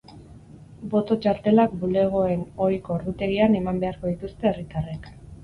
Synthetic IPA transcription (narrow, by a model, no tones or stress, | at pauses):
bo̞t̪o̞t͡ʃaɾt̪e̞lakbule̞ɣ̞o̞e̞no̞jko̞ːɾðut̪e̞ɣiane̞mambe̞aɾko̞ðit̪ust̪e̞ːrit̪arek